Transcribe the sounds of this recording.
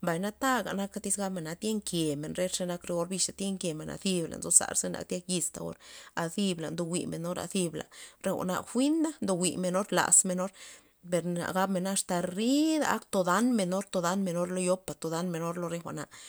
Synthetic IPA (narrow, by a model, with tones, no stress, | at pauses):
mba˨jna˦t̪a˦ɡa̰˨na˦ka˦t̪i˦sɡa˦bme˨na˧t̪je˦ŋkje˨me˨nɾe˦ʂe˧na˧˦kɾe˧ɡo˦ɾbi˧ʃa˨t̪je˦ŋkje˨me˨nʔa̰˧θi˦bla̰˨nzo˦sa̰˨ɾse˦na̰˧k̚t̪ʲja˦kji˧st̪a˨o̰˦ɾa˧θi˧bla̰˨nd̪o˧wḭ˨me˨no˦ɾa̰˧θi˧bla̰˨ɾe˦wʷa̰˨na̰˧˨xʷi˦nd̪a˦nd̪o˧wi˨me˧no˦ɾla̰˨sme˧no˦ɾ | pe˨ɾa̰˨ɡa˧˦bme˨na˦ʂt̪a˧ɾi˦d̪a˨ʔa̰˦kt̪o˧d̪a˦nme˧no˦ɾt̪o˧d̪a˦nme˧no˦ɾlo˦jo˦pːa˨t̪o˨˧d̪a˦nme˧no˦ɾlo˧ɾe˧xʷa˨ʔna˨ʔ